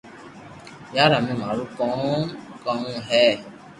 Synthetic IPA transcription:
jaɾamĩmaɾupɔ̃kɔ̃ŋɦɛ

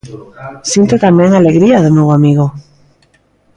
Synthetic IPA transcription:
sjint̪et̪amjeŋaleɣɾiaðemewamiɣo

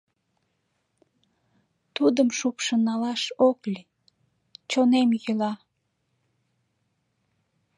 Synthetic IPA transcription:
t̪ud̪əmʃupʃənɑlɑʃoklʲi | t͡ɕonemjylɑ

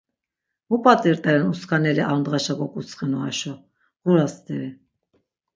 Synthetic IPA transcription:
mupʼat̪ʼiɾt̪ʼɛɾɛnuskʰanɛɾiʔaɾnd̪ʁaʃakɔkʼut͡sʰχɛnuaʃɔ | ɣuɾast̪ɛɾi

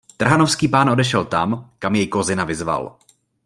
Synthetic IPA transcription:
t̪r̩ɦanofskiːpaːnʔo̞dɛʃɛlt̪amkamjɛjkozɪnavɪzva̰l

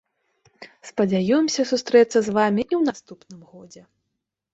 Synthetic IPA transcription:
spɐd͡zʲajɔmsʲɐsust̪ɾɛt̪sːɐzvamʲiʔiwnast̪upnɨmɣɔd͡zʲɛ

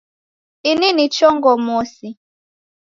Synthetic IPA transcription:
ininit͡ʃɔŋɡɔmɔsi

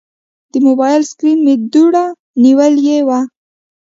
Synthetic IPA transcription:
d̪̥əmobɑjlskɾinmed̪uɽa | niwəljewa

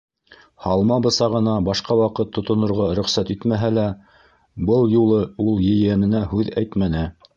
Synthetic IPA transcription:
hɑlˠmɑbɤ̆sɑʁɤ̆nɑbɑʃqɑwɑqɤt̪ʰːŏt̪ŏnŏɾʁɑɾɵ̆χsæt̪it̪mæɦælæ | bɤlˠjulˠɤulˠjɘ̆jænɘ̆næɦʉðæjt̪mænɘ

